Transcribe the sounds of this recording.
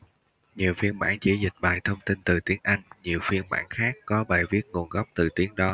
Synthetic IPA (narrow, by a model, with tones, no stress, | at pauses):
ɲi˨˩əwfi˧ənma̰ː˧˥ŋt͡ɕḭ˧˥zï˨˩k̟̚ɓa̰ː˨˩jt̪ʰə˧wŋ͡mt̪i˧nt̪ɨ˨˩t̪i˨˦əŋʔa˧jŋ̟ɲi˨˩əwfi˧ənma̰ː˧˥nxaː˦˥kːɔ˨˦ɓaː˨˩jvi˦˥ət̚ŋo˨˩ənɣa˦˥wp̚t̪ɨ˨˩t̪i˨˦əŋɗɔ˨˦